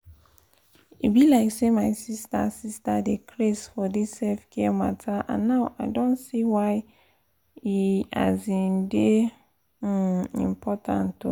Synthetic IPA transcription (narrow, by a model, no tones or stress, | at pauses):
ḭbilaɪksemaɪsista̰sistadekʰlesfɔdisːɛfkʰɛmatʰaʔã̰nːaʊʔa̰ɪdõnsiwaɪ | ia̰zĩnde | ḭ̃mpʰɔtʰã̰ntu